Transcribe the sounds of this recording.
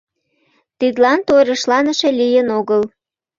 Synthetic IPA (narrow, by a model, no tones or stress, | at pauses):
t̪id̪lɑnt̪ojɾə̆ʃlɑnə̆ʃe̽lijənoɣəl